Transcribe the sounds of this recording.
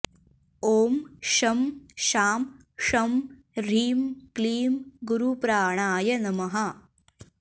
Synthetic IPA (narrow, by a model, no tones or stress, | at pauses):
oːmʃɐmʃaːm | ʂɐm | ɾiːmkliːmɡuɾupɾaːɳaːjɐnɐmɐɦɐ